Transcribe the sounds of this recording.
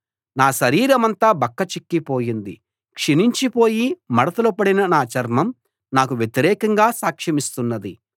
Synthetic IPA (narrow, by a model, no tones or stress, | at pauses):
naːʃɐɾiːɾɐmɐnt̪aːbɐkːɐt͡ʃikːipo̞ːjind̪i | kʂiniɲt͡ʃipo̞ːjimɐɽɐt̪ɐlupɐɽinɐnaːt͡ʃɐɾmɐm | naːkuʋjet̪iɾɛːkɐŋɡaːsaːkʂɐmist̪unːɐd̪i